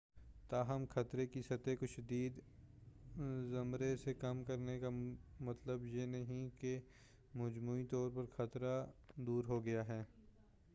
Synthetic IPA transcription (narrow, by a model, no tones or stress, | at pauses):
t̪aːɦɐmxʰɐt̪ɾekisɐt̪ekoʃɐd̪iːd̪ | zɐmɾesekɐmkɐɾnekamɐt̪ləbjenɐɦĩke | mɐd͡ʒmuːit̪ɔːɾpɐɾxɐt̪ɾad̪uːɾɦoɡɐjaɦɛː